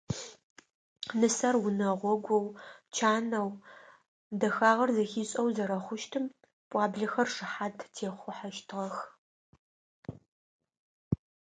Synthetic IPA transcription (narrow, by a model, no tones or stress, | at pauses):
nɨsɐrwʊnɐʁʷɔɡʷɔwt͡ʃʰaːnɐw | dɐxaːʁɐrzɐxiːɕʼɐwzɐɾɐχʷʊʃtʰɨm | pʷʼɑːbɮɐxɐrʂɨħaːdʰtʰeːχʷʊħaʃtʰɨʁɐx